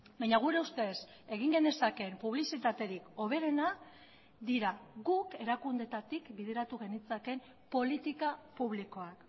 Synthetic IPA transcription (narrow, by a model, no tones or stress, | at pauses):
bajɲaɣ̞uɾe̞ust̪e̞s | e̞ɣiŋɡe̞nd̪e̞sake̞mpuβ̞lisit̪at̪e̞ɾiko̞β̞e̞ɾe̞na | d̪iɾaɣuke̞ɾakund̪e̞t̪at̪ikbiðe̞ɾat̪uɣ̞e̞nit͡sake̞m | po̞lit̪ikapuβliko̞ak